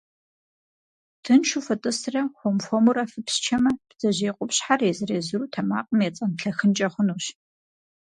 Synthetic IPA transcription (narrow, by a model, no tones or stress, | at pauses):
tʰɨnʃʰufɐtʼɨsrɐxʷɔmfʷɔmuɾɐfɨpst͡ʃʰɐmɐpz̥ɐʑeːqʷʼʊpɕħarezɨreːzɨɾuːtʰɐma̰ːqʼəmjeːt͡sʼɐnɬɐxɨnt͡ʃʼɐχʷʊnuːɕ